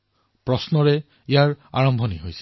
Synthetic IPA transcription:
pɹɔsnɔɹɛ | ijaɹa̰ɹɔmbʱɔniɦojsɛ̥

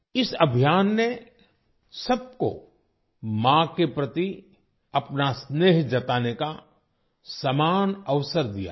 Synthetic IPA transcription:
ɪsɐbʱijaːnːe | sɐb̚ko̰ | mãkepɾət̪i | ɐpnasneːɦd͡ʒɐt̪aːneka | sɐmaːnəʋsəɾd̪ija̰ː

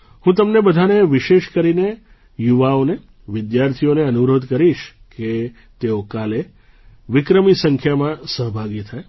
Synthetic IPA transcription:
hũt̪əmnebəd̪ʱaneʋɪʃeʃkəɾine | juʋaone | ʋɪd̪jaɾt̪ʰioneənuɾod̪ʱkəɾiʃ | ke | t̪eokale | ʋɪkɾəmisəŋkʰjamãsəɦəbʱaɡit̪ʰae

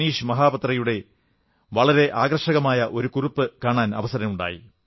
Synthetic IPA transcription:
niːʂɨmɐɦaːbɐt̪rɐjuɽe̞ | ʋɐɭɐɾe̞ʔaːɡrɐʂɐɣɐmaːjɐʔo̞ɾukurupːɨkaːɳaːnɐ̰ʋɐsɐɾɐmuɳɖa̰ːjḭ

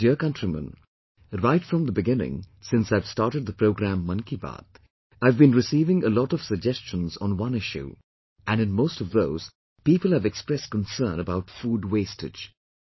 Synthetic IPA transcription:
d̥iəkʌ̃ntɹ̥imə̰̃n | ɹaɪtfɹʌ̃mðəbɨɡɪ̃nɪ̰̃ŋsɪ̃nsaɪv̥stɑɹɾɨd̪̚ðəpʰɾoʊɡɾæ̃mːʌ̃nkibɑ̰t̪ | aɪvbĩnɹɨsiːvɪ̃ŋəlɔɾʌv̥səɡ̚d͡ʒɛst͡ʃə̃nzn̩wʌ̃nɪʃʉ̰ | ʔɨ̃nɨ̃nmoʊstʌvðoʊz̥ | piːpəlˠɨvɛkspɹɛskə̃n̩sɜːnəbaʊtfuːdweɪstɨ̰̥d͡ʒ

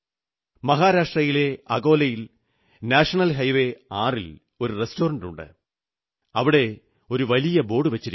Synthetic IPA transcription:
mɐɦaːɾaːʂʈrɐjile̞ɐɣo̞ːlɐjil | naːʂɐɳɐlɦɐjʋe̞aːril | o̞ɾurestoːɾɐɳɖuɳɖɨ̰ | ɐʋiɽe̞ | o̞ɾuʋɐlijɐbo̞ːɽɨʋɐt͡ɕːiɾi

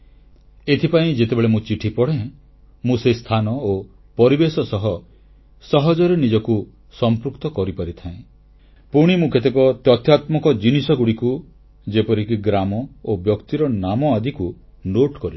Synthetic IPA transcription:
et̪ʰipaĩd͡ʒet̪ebeɭemũt͡ʃiʈʰipɔɽ̤ẽ | mũsest̪ʰanɔo | pɔɾibesɔsɔɦɔ | sɔɦɔd͡ʒɔɾenid͡ʒɔku | sɔmpɾukt̪ɔkɔɾipaɾit̪ʰaẽ | puɽ̃imũket̪ekɔt̪jɔt̪jat̪mɔkɔd͡ʒinisɔɡuɽiku | d͡ʒepɔɾikiɡɾamɔobjɔkt̪iɾɔnamɔad̪ʱiku | noʈkɔɾi

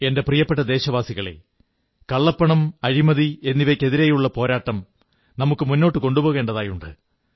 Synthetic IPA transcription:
e̞nde̞prijɐpːeʈːɐd̪e̞ːɕɐʋaːsiɣɐɭe̞̰ | kɐɭːɐpːɐɳɐmɐɻimɐðie̞nːiʋɐkʲːe̞ðiɾeːjuɭːɐpo̞ːɾaːʈːɐm | nɐmukːɨmunːo̞ːʈːɨko̞ɳɖubo̞ːɣe̞ːɳɖɐðaːjuɳɖɨ̰

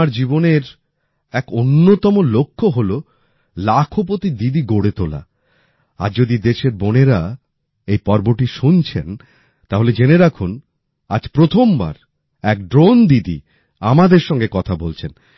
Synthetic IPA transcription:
aɾd͡ʑiboneɾ | ɛkonːot̪ɔmolokʰːoɦolo | lakʰop̬ot̪id̪id̪iɡoɽet̪ola̰ | a̰ɾd͡ʑod̪id̪eʃeɾboneɾa | ejpɔɾboɾʈiʃunt͡ɕʰen | t̪aɦoled͡ʑeneɾakʰun | a̰d͡ʑpɾot̪ʰomba̰ɾ | ɛk̚ɖɾond̪id̪ḭ | amad̪eɾʃɔŋɡekɔt̪ʰabolt͡ɕʰen

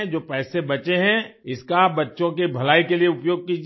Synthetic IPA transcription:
d͡ʒoːpɛːsebɐt͡ʃeɦɛ̃ɪskabɐtːʃõk̬ebʱɐlaːikelieʊpjoːɡ̚kiːd͡ʒ

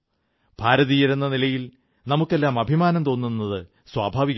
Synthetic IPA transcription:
b̥ʱaːɾɐðijɐɾunːɐnilɐjil | nɐmukːe̞lːaːmɐbʱimaːnɐmt̪o̞ːnːunːɐðɨ | swaːbʱaːʋiɣ

